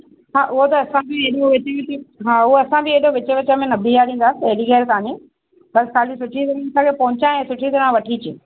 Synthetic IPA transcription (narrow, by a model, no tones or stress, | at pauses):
ɦaːʔʊɦot̪ɐːsãbɪeɗoʋɪt͡ɕʋɪɦaːʊɦoɐsãbɪeɗoʋɪt͡ɕə̆ʋɪt͡ɕəmẽnɐbʱijaːɾĩːn̆d̪aːsɪɐɦɽiɡɛːɾkaːɲi | bɐskʰaːlisʊʈʰit̪ɐɾãɐsãkʰepɐ̃ɦʊ̃t͡ɕaɛ̃ːsʊʈʰid̪ɐɾãʋɐʈʰit͡ɕi